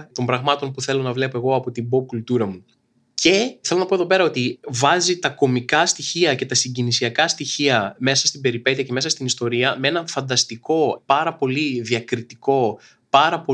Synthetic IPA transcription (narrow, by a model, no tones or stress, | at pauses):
t̪o̞mbɾɐɣmɐt̪o̞npuθe̞lo̞nɐvle̞po̞e̞ɣo̞ɐpo̞t̪ibo̞kult̪uɾɐmu | ce̞θe̞lo̞nɐpo̞ðo̞p̬e̞ɾɐot̪ivɐzit̪ɐko̞mikɐst̪içiɐce̞t̪ɐsiɲɟinisiɐkɐst̪içiɐme̞sɐst̪ibe̞ɾipe̞t̪iɐce̞me̞sɐst̪inist̪o̞ɾiɐmee̞nɐfɐnd̪ɐst̪iko̞pɐɾɐpo̞liðiɐkɾit̪iko̞ | pɐɾɐpo